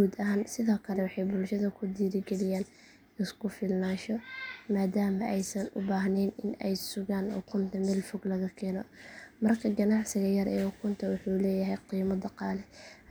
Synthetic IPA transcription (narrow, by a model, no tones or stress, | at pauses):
uːd̪ɐɦaːnsɪðɔːkʰɐlɛwɑħɑjbʊlʃɐðɐkʰʊd̪iːɾɪɡɛlɪjaːn | ɪskʰʊfɪlmaːʃɔmaːd̪aːmɐʔɛjsɐnʊ̰baːɦnɛnɪnɛjsʊɣaːnhʊ̰kʰʊnt̪ʰɐmɛːlfʊɡlɐɣɐkʰɛːnɔmɐrkʰɐɡɐnɑʕsɪɣɐjɐrʔɛːhʊkʰʊnt̪ʰɐwʊħuːlɛːjɐɦɛjqiːmɐd̪ɐqɑːlɛ